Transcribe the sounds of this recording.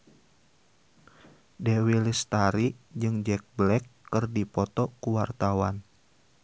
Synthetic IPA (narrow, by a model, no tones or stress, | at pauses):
dɛwilist̪aɾid͡ʒɨŋd͡ʒɛk̚blɛkːɨrdipɔt̪ɔkuwart̪awan